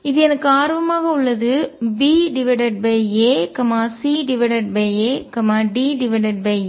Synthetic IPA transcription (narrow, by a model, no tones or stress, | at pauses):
ɪðɯɛnɐkːɯaːɾʋɐmaːɣɐʊɭːɐðɯbiːɖɪʋɐɖɐɖ̚bɐeːkɐmaːsiːɖɪʋɐɖɐʈ̚beːeːkɐmaːɖiːɖɪʋɐɖɐɖ̚be